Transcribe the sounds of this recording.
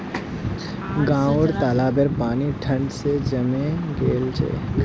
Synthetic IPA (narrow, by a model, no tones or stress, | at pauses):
ɡãːəɽt̪aːlaːbəɾpaːniʈʰə̃ɳɖsed͡ʒɐmẽɡeːlt͡ʃʰḛː